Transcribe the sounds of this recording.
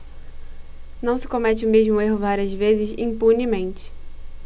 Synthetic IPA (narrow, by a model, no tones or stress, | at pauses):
nɐ̃w̃sɪ̥komɛt͡ʃɪʊmeʒmʊeɦʊvaɾiɐzvezɪzḭ̃punimẽnt͡ʃɪ̥